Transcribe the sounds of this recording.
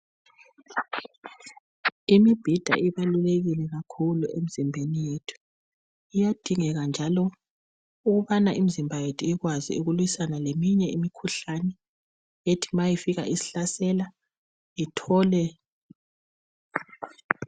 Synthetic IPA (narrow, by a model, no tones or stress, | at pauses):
imib̥ʱid̥ʱa̰ʔiβaluleɣilɛɣakʰuluem̩z̥imbʱenijetʰu̥ | ijad̥ʱiŋɛɣand͡ʒʱalɔ | uɣuβanaʔim̩zimbʱajetʰuiɣwazḭuɣulwisanalemiɲɛimikʰuɬanɛ | jetʰi̥majifiɣa̰ʔisi̥ɬasɛla | itʰɔːlɛ